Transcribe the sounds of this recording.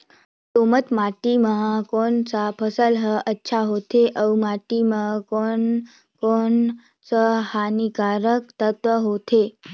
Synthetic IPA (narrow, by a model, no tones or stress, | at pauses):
t̪omət̪maʈimãkonsapʰəsəlɦəətːʃʰaɦot̪ʰeʔəwmaʈimãkon | kon | səhanikaɾək̚t̪ət̪ʋəɦot̪ʰe